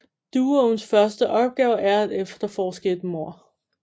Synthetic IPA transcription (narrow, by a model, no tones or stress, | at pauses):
d̥uːonsfɶɐsd̥əʔɒ̽b̥̚ɡ̥ɛːʊʔæɐæd̥efd̥ɐfɒːsɡ̥ed̥mo̝ɐ̰